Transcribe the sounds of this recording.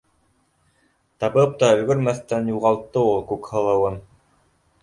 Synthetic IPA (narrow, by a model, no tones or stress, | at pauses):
t̪ɑβɤp̚t̪ɑɵ̆lɡɵ̆ɾmæθt̪ænjuʁɑlˠt̪ːɤulˠkʉkhɤ̆lˠɤ̆wɤn